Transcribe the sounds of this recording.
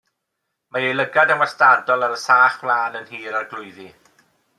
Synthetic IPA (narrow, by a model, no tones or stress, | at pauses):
majejlˠəɡadamwastadɔlˠaɾəsaːχwlˠaːnənɦiːɾarɡlˠʊɨði